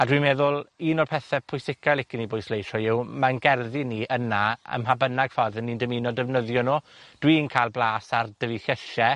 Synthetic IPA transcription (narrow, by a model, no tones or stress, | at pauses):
adwimeːðʊlˠiːnɔrpʰɛθɛpʰʊjsɪkʰajlˠɪkɪnibʊjslˠejɬɔɪwmanɡɛrðiniːʔənaə̰mɦabənaɡ̥fɔrðənːindəminɔdəvnəðjɔnoːd̥wiːnkʰajlˠblˠaːsard̥əvixəʃɛ